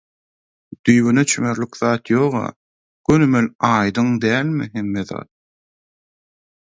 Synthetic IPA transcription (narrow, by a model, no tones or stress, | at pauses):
d̪̥yjβynet͡ʃʰymeɾlykðɑːt̪jo̞ːʁɑ̰ː | ɡ̥ønymelɑːjd̪ɯŋd̪æːlmḭɦe̞mːeðɑ̰ːt̪̚